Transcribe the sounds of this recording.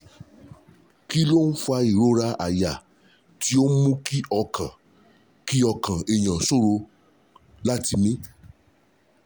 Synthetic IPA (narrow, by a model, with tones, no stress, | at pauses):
ki˦lo˦n̩˦fa˧i˨ɾo˨˦ɾa˧ʔa̰˨ja˨ | ti˨˦o˦mũ˦ki˦ɔ˧kʰã˨ | ki˦ɔ˧kã˨e˨j̃ã˨so˦˨ɾo˧ | la˦˨ti˧mĩ˦